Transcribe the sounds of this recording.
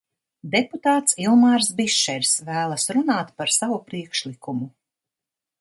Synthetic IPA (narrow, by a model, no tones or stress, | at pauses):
d̪ɛput̪aːt̪silˠmaɾsbiʃɛɾʲsvæːlˠɐsɾunaːt̪paɾsavupɾiɛkʃlikumu